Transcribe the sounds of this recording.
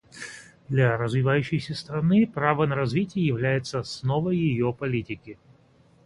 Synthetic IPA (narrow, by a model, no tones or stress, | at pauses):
d̪lʲɐɾəzvʲɪvajʉɕːɪjsʲəst̪ɾɐnɨpɾavənəɾɐzvʲitʲɪjəjɪvlʲæjɪt̪səsnovəjːɪjopɐlʲitʲɪkʲɪ